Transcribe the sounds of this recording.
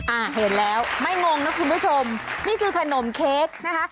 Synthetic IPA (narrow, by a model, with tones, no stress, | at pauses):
ʔaː˨˩ɦe˩˦nlɛː˦˥wma˥˩jŋo˧ŋna˦˥kʰu˧npʰuː˦˥˩t͡ɕʰo˧mniː˥˩kʰɯː˧kʰa˧no˨˩˦mkʰeː˦˥k̚na˦˥kʰa˦˥